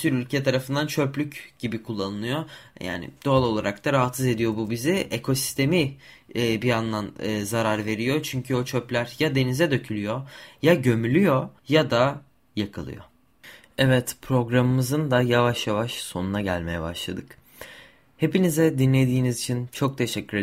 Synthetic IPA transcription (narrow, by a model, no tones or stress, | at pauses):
syɾylʲcʰɛt̪ʰaɾafɯnd̪ant͡ʃʰø̞plʲycɟ̥ibikʰulˠːanɯlˠɯjo̞ja̰ːnɪ̰d̪̥o̞alˠo̞lˠaɾʔak̚t̪aɾaɦat̪sɯze̞d̪ijo̞bubiziekʰo̞si̥st̪ʰe̞miː | bianlˠanɯːzaɾaɾve̞ɾijo̞t͡ʃʰyɲcʰyo̞t͡ʃʰøplʲæɾjad̪e̞nizɛd̪ø̞cʰylʲyjo̞jaɟø̞mylʲyjo̞jad̪a | jakʰɯlˠɯ̰jo̰ | ɛvɛt̪pʰɾo̞ɡɾamɯmɯzɯnd̪ajavaʃjavaʃso̞nunaɟælʲme̞jɛba̰ʃlˠa̰d̪ɯk | he̞pinizɛd̪inlʲe̞d̪iːnizit͡ʃʰint͡ʃʰo̞k̚t̪ʰe̞ʃɛcːyɾe